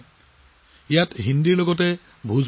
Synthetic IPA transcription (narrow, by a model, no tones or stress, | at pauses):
ijatɦindiɹlɔɡɔtɛ | bʱuzʱ